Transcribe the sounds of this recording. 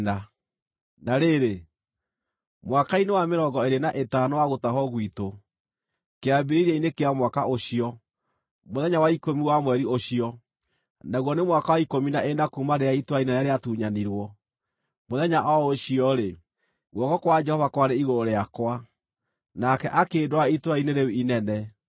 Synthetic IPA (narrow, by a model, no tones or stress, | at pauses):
na | naɾeɾe | mwakainewameɾɔɡɔeɾenaʔetanɔwaɣotaɦɔɣwito | keabiɾiɾiainekeamwakaʔoɕiɔ | moðɛɲawaikomiwamwɛɾioɕiɔ | naɣwɔnemwakawaikominaʔenakumaɾeaitwainɛnɛɾeatuːɲaniɾwɔ | moðɛɲaʔɔoɕiɔɾe | ɣwɔkɔkwad͡ʒɛhɔvakwaɾeiɣoɾoɾeakwa | nakɛʔakeːdwaitwaineɾeuinɛnɛ